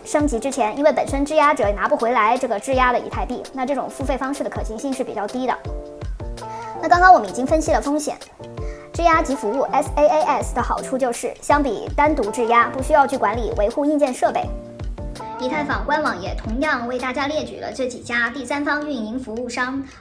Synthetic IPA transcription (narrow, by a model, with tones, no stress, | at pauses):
ʂɤ˥ŋt͡ɕi˧˥ʈ͡ʂɻ̩˥t͡ɕʰjɛ˧˥ni˥nwe˥˩ɪpə˨˩nʂə˥nʈ͡ʂɻ̩˥˧ja˥ʈ͡ʂɤ˨˩na˧˥pu˥˩xwe˧˥ɪla˧˥ɪʈ͡ʂɤ˥˩ɡə˩ʈ͡ʂɻ̩˥˩ja˥d̪ə˨ḭ˧˥t̪ʰa˥˧ɪp̪i˥˩na˥˧ʈ͡ʂɤ˥˩ʈ͡ʂʊ̰˨˩ŋfu˥˧fe˥˩ɪfɑ˥ŋʂɻ̩˥˩d̪ə˩kʰɤ˨˩ɕʰi˧˥ŋɕi˥˧ŋʂɻ̩˥˩pḭ˨˩t͡ɕjɑ˥˩ʊt̪i˥d̪ə̰˨ | na˥˩kɑ˥ŋkɑ˥ŋwɔ˨˩mə˦ni˨˩t͡ɕi˥ŋfə˥nɕi˧˩lə˩fɤ˥ŋɕjɛ̰˨˩˦n | ʈ͡ʂɻ̩˥˧ja˥t͡ɕi˧˥fu˧˥u˥˩ʔɛ˥se˥ɪe˥ʔɛ˥˩sd̪ə˩xɑ˨˩ʊʈ͡ʂʰu˥˧t͡ɕjo˥˧ʊʂɻ̩˥˩ɕjɑ˥ŋpḭ˨˩t̪a˥nt̪u˧˥ʈ͡ʂɻ̩˥˩ja˥pu˥˩ɕy˥jɑ˥˧ʊt͡ɕʰy˥˩kwa˧˥nlḭ˨˩wʔe˧˥ɪxu˥˧i˥˧nt͡ɕjɛ˥˧nʂɤ˥˧pe˥˩ɪ | li˧˥t̪ʰa˥˩ɪfɑ˨˩ŋkwa˥nwɑ˨˩˥ŋjɛ˨˩t̪ʰʊ˧˥ŋjɑ˥˧ŋwe˥˧ɪt̪a˥˩t͡ɕja˥ljɛ˥˩t͡ɕy̰˨˩lə̰˦ʈ͡ʂɤ˥˩t͡ɕi˨˩t͡ɕja˥t̪i˥˩sa˥nfɑ˥ŋy˥˩ni˧˥ŋfu˧˥u˥˩ʂɑ˥ŋ